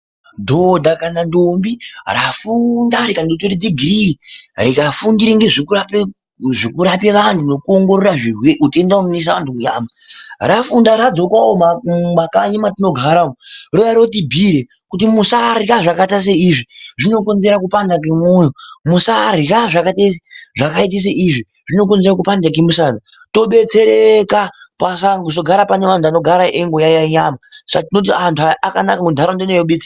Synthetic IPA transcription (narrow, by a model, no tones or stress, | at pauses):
dʱodʱakanandombirafundaɾikandoteɾid͡ziɡʱiriɾikafundiɾiŋɡe̞ʐikurape | ʐikuɾapeʋantuno̞kuo̞ŋɡo̞ɾoraʐiweʔutendaunnis̬aʋantumuja̰ːmarafundaɾad͡zo̞kwaomamakaɲimatino̞ɡʱaɾaorojaɾot̬ibʱiɾe | kutimusarikaʐakatas̬eiʐiʐino̞ko̞nze̞ɾakupandak̬emujomusariraʐakates̬e̥ʐakait̬is̬eʔiʐi | ʐino̞k̬onze̞ɾakupandak̬emusana | to̞ɓe̞t͡se̞ɾekapasakus̬o̞ɡʱaɾapane̞ʋantano̞ɡʱaɾaʔeŋɡojajaɲaːmasakatino̞t̬iantʰuaakanakakudʱaɾandonejoɓet͡si